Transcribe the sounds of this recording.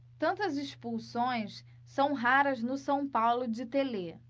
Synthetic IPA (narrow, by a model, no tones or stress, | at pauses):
t̪ɐ̃nt̪ɐzeʃpulsõj̃s | sɐ̃w̃ɦaɾɐznʊsɐ̃w̃pawlʊd͡ʒɪt̪ele